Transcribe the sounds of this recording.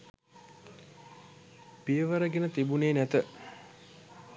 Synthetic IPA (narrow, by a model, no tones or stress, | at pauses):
pijəʋəɾəɡenət̪ibuneːnæt̪ə